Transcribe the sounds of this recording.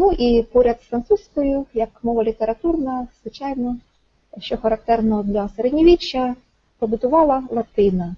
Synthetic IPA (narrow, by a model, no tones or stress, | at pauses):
nuʔipɔɾʲɐd̪fɾɐnt̪susʲkɔjʊjɐkmɔʋɐlʲit̪eɾɐt̪urnɐz̥ʋɪt͡ʃɑjnɔ | ʃt͡ʃɔxɐɾɐk̚t̪ɛrnɔd̪lʲɐseɾɛdʲnʲiʋʲit͡ʃːɐ | pɔbʊt̪ʊʋɑlˠɐlˠɐt̪ɪnɐ